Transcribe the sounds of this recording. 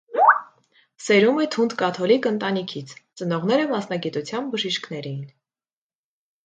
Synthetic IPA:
sɛɾumɛt̪ʰund̪kɑt̪ʰɔlikənt̪ɑnikʰit͡sʰt͡sənɔʁnɛɾəmɑsnɑɡit̪ut͡sʰjɑnbəʒiʃkn̪ɛɾɛjin

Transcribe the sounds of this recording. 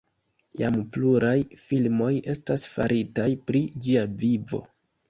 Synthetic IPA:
ja̰mpluɾajfilmo̞je̞stasfaɾʔitajpɾid͡ʒiavivo̞̰

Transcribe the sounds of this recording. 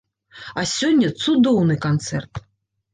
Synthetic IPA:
ɐsʲɔnʲːɐt̪sud̪ɔwnɨkant̪sɛrt̪

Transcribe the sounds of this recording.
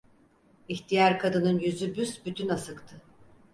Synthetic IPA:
içt̪ʰijaɾkʰad̪ɯnɯnjyzybysbyt̪ʰynasɯkt̪ʰɯ

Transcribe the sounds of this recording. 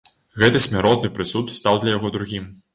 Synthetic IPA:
ɣɛt̪ɨsʲmʲaɾɔt̪nɨpɾɨsut̪st̪awd̪lʲɐjaɣɔd̪ɾuɣʲim

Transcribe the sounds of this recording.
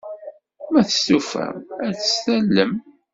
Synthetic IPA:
mæθə̥st̪ufæ̰mæθə̥sθælːəm

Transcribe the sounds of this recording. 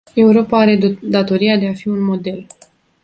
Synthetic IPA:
e̞uɾo̞paaɾe̞d̪at̪o̞ɾiad̪e̞afiunmo̞d̪e̞l

